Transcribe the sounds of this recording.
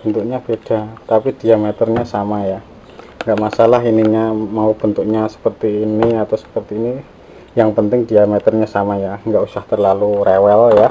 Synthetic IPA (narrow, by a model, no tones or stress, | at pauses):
b̥ənt̪ukɲab̥ed̥at̪apid̥iamɛt̪ərɲasamaja | ŋɡaʔmasalaɦiniɲamaub̥ənt̪uk̚ɲasə̥pərt̪iːniat̪awsə̥pərt̪iːni | jaŋpənt̪ɪŋdiamɛt̪ərɲasamajaŋɡaʔusaht̪ərlalurewɛlja